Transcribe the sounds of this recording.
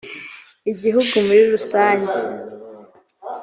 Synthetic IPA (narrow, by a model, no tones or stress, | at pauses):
iɟiɦuɡumuɾiɾusaːɲɟe